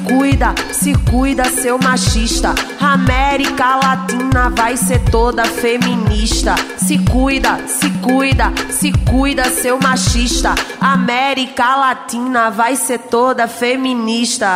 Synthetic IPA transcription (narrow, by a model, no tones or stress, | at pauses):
kujd̪ɐsɪkujd̪ɐsewmaʃiʃt̪ɐ | amɛɾikɐlat̪ĩnɐvajseɾt̪od̪ɐfemĩniʃt̪ɐsɪkujd̪ɐsɪkujd̪ɐsɪkujd̪ɐsewmaʃiʃt̪ɐamɛɾikɐlat̪ĩnɐvajseɾt̪od̪ɐfemĩniʃt̪ɐ